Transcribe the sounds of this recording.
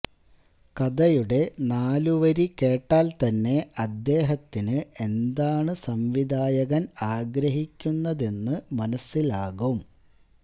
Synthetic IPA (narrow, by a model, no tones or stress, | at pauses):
kɐd̪ɐjuɽe̞naːluʋɐɾike̞ːʈːaːlt̪ɐnːe̞ɐd̪ːe̞ːɦɐt̪ːinɨe̞nd̪aːɳɨsɐmʋid̪ʱaːjɐɣɐnaːɡɾɐɦikʲːunːɐðe̞nːɨmɐnɐsːilaːɣum